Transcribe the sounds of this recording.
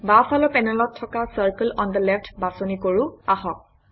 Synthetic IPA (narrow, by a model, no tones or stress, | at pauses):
bafʰalɔpɛnɛlɔtʰːɔkasəɹkəlɔnd̪əlɛftʰbasonikoɹʊaxɔk̚